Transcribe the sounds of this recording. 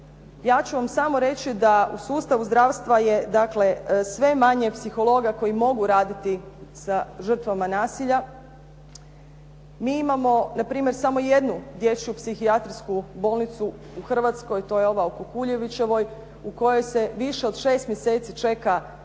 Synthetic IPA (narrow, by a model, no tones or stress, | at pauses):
jaːt͡ɕuʋamsamo̞ɾe̞t͡ɕid̪ausuːst̪aʋuzd̪ɾaʋst̪ʋaje̞d̪akle̞sʋe̞maɲepsixo̞lˠo̞ɡako̞jimo̞ɡuɾaːd̪it̪isaʒər̩t̪ʋamanaːsiʎa | miːimamo̞napɾiːmje̞ɾsamo̞je̞d̪nud̪je̞t͡ɕupsixiat̪ɾiskubo̞ːlˠnit̪su | uxr̩ʋat̪sko̞jt̪o̞ːjeo̞ʋaokukuʎe̞ʋit͡ɕe̞ʋo̞j | uko̞jo̞jse̞ʋiʃe̞o̞d̪ʃe̞ːst̪mjese̞ːt̪sit͡ʃe̞ka